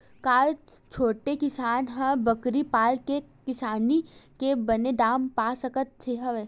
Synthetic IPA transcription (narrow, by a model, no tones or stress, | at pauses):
kaːl | t͡ʃʰoːʈekɪsaːnɦɐ̃bɐkɾipaːlkekɪsaːnikebɐned̪aːmpaːsɐkət̪̚t͡ʃʰeːɦɐʋe